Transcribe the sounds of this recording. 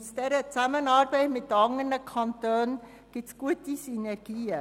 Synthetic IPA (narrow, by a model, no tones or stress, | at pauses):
sd̥ɛːɾət͡samənɑːɾbɛɪtmɪt̚dəɑŋənəkʰɑntøːn | ɡ̥ɪt͡sɡ̥uətisynɛɾɡ̥iːə